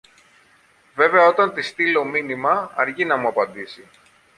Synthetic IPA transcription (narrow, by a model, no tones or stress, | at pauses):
ve̞ve̞ɐo̞t̪ɐnt̪ist̪ilo̞minimɐɐɾʝinɐmuɐpɐnd̪isi